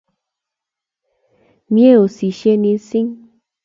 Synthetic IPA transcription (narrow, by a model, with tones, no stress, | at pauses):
mj̃ẽ˦o˨si˨ʃje˧nĩ˧˦sĩ˦ŋ